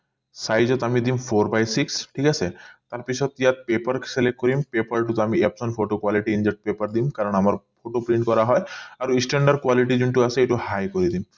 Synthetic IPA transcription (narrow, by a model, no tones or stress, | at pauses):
sajd͡ʑɔt̪amid̪impʰoɾbajsiksʈʰikasʰet̪aɾpit͡ɕʰɔt̪ijat̪̚pepaɾkselek̚ʈ̚kɔɾimpepaɾʈut̪amiepsɔnpʰfʰoʈokwaliʈiind͡ʑek̚ʈ̚pepaɾd̪imkaɾɔɳamaɾpʰoʈopɾiɳʈkɔɾaɦɔeaɾuisʈeɳɖaɾkwaliʈid͡ʑuɳʈuasʰeeʈuhajkoɾid̪im